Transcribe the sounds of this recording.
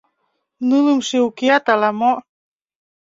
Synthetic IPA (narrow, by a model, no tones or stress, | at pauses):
nɨlɯmʃeukeat̪alamo